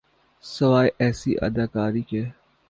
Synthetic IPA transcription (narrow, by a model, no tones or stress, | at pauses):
sɐʋaːjʔɛːsḭʔɐ̰d̪aːkaːɾiːkɛː